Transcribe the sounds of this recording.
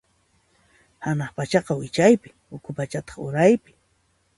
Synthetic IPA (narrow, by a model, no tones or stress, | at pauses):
hanaχpat͡ʃɑqɑwɪt͡ʃajpɪ̥ | ʊkʰʊpat͡ʃat̪ɑ̥χʊɾajpɪ̥